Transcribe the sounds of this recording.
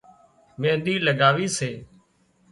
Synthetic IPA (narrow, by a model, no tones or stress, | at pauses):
mẽːnd̪iːləɡaːʋiːseː